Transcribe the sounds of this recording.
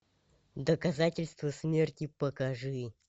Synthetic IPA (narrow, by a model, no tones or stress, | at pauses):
d̪əkɐzatʲɪlʲst̪vəsmʲe̞rtʲɪpəkɐʐɨ